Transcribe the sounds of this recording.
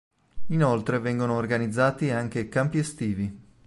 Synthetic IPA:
inolt̪ɾevɛŋɡonoːrɡanid̪zːaːt̪iaŋk̟ekampiest̪iːvi

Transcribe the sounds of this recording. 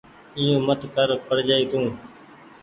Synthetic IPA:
ɪjõːmət̪kəɾpəɽ̤d͡ʒaːiːd̪ũː

